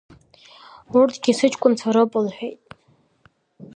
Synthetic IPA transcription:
urtʰʼɡʲisɨt͡ʃʰʼkʷʼʊnt͡sʰaɾopʼʊlħᶣejtʼ

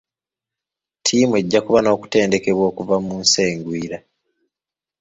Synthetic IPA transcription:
tʰiːmue̞ɟːakuβano̞ːku̥te̞ːnde̞ke̞βwo̞ːkuvamunseːŋɡwiːɾa

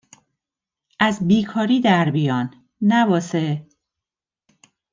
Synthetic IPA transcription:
ʔæzbiːkʰɒːɾiːd̪æɾbijɒːnː | æbɒːse

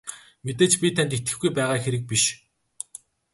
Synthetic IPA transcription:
met̪eːt͡ɕpʲit̪ʰænt̪et̪ɡɘ̆xɡujpæːʁaːxeɾɘ̆k̚piʃ

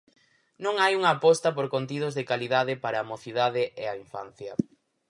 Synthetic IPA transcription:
nõŋajuŋɐːpɔst̪ɐpoɾkont̪ið̞ozðekaliðaðɪpaɾaːmoθiðaðɪʔeaiɱfan̟θjɐ

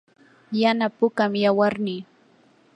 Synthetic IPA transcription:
janapʊkamjawaɾnɪ

